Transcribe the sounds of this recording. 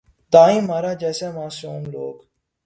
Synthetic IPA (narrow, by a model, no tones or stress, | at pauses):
t̪aːĩːmaːɾaːd͡ʒɛːseːmaːsuːmloːɡ